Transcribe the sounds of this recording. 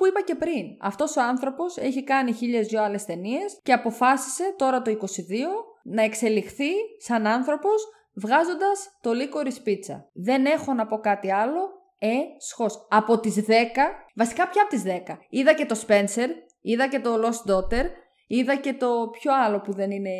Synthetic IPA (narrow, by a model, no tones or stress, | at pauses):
puipɐce̞pɾinɐ̰ft̪o̞so̞ɐnθɾo̞po̞se̞çikɐniçiʎe̞zʝoɐle̞st̪e̞nie̞sceɐpo̞fɐsi̥se̞t̪o̞ɾɐt̪o̞iko̞siðio̞nɐe̞kse̞lixθisɐnɐnθɾo̞pos | vɣɐzo̞nd̪ɐst̪o̞liko̞ɾispit͡sɐ̰ðe̞ne̞xo̞nɐpo̞kɐt̪iɐlo̞ | esxo̞sɐpo̞t̪izðe̞kɐvɐsi̥kɐpçɐpot̪izðe̞kɐiðɐce̞t̪o̞spe̞nse̞ɾ | iðɐce̞t̪o̞lo̞sd̪o̞t̪e̞ɾ | iðɐce̞t̪o̞pço̞ɐlo̞puðe̞nine̞